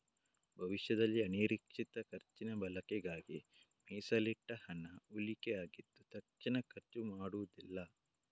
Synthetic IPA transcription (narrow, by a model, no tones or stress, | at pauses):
bʱɐʋiʃjɐd̪ɐlːiɐniːɾikʂit̪ɐkɐɾt͡ʃinɐbɐlɐkɛɡaːɡi | mɛːsɐliʈːɐhɐnɐulikeaːɡid̪ːut̪ɐk̚t͡ʃinɐkʰɐɾt͡ʃumaːɽuʋɐd̪ilːɐ